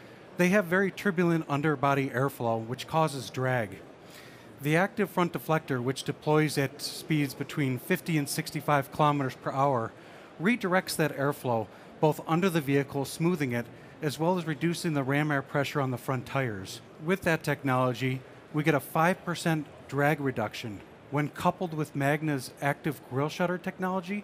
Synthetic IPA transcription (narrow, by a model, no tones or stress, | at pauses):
ðeɪɨvːɛɹitʰɹɪbjl̩ˠɨ̃ntʌ̃ndə˞bɑɾiʔɛɹfloʊwɨt͡ʃkʰɔzɨzdɹæɡ | ðiæk̚tɨv̥fɹʌ̃nd̥ɨflɛk̚tə˞wɨt͡ʃd̥ɨpʰl̥ɔɪzɨtspidzbɨtʰw̥ĩnfɪftiɨ̃nsɪkstifaɪv̥kʰəlɑmɨɾə˞z̥pʰə˞ʔaʊə˞ | ɹidə˞ɛk̚tsðɨɾɛɹfloʊ | b̥oʊθʌ̃ndə˞ðɨviɨkʰl̩ˠsmuðɪ̃ŋɪɾ | ɨzwɛlˠəzɹɨdʉsɪ̃ŋðɨɹæ̃mɛɹpʰɹ̥ɛʃə˞ə̃nðəfɹʌ̃ntʰaɪə̰˞z̥ | wɨðɨtʰɛk̚nɑlˠəd͡ʒi | wiɡɛɾəfaɪv̥pʰə˞sɛ̃n | d̥ɹæɡɹɨdʌkʃɨ̃n | wə̃nkʰʌpl̩ˠd̚wɨðmæɡ̚nɨzæk̚tɨvɡɹɪlˠʃʌɾə˞tʰɛk̚nɑlˠəd͡ʒi